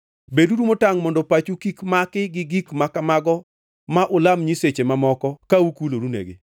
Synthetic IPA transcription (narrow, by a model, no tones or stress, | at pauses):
beduɾumotaŋmɔndɔpat͡ʃukikmakɪɡɪɡikmakamaɡɔ | maʔʊlamɲiset͡ʃemamɔkɔkaukuloɾunḛɡɪ̰